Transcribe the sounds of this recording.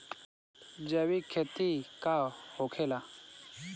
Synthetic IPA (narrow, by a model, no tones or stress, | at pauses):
d͡ʑewikʰet̪ikahokʰela